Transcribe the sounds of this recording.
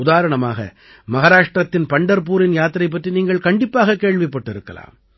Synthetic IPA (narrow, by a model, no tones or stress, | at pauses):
ʊðaːɾɐɳɐmaːɣɐ̰ | mɐɣaːɾaːʂʈɾɐt̪ːɪnpɐɳɖɐɾp̬uːɾɪnjaːt̪ːɪɾɐɪp̬ːɐʈriniːŋɡɐɭkɐɳɖɪpːaːɣɐkeːɭʋɪpːɐʈːɪɾɯkːɐ̰la̰ːm